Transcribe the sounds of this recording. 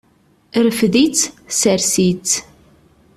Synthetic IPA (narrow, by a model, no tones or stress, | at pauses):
ɾəfðit͡sːsəɾsit͡sː